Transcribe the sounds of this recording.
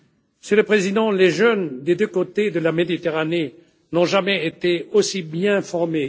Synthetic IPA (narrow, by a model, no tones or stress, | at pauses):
məsyləpχezid̪ɑ̃leʒœnd̪ed̪økot̪ed̪əlamed̪it̪eʁane | nɔ̃ʒamɛet̪eosibjɛ̃fɔʁme